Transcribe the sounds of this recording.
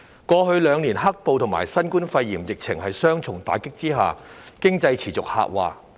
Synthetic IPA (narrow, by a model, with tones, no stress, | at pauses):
kɔː˧hɵ˧ɥlœː˨˧ŋniː˨˩nɦɐ˥k̚po˨wt̪ʰʊ˨˩ŋma̰ː˨˩jsɐ˥nkuː˥nfɐ˧jːiː˨˩mjɪ˨k̚t͡sʰɪ˨˩ŋhɐ˨jsœː˥ŋt͡sʰʊ˨˩ŋt̪a̰ː˨˥kɪ˥k̚t͡siː˥ɦa̰ː˨kɪ˥ŋt͡sɐ˧jt͡sʰiː˨˩t͡sʊ˨k̚ha̰ː˨˧k̚wa̰ː˨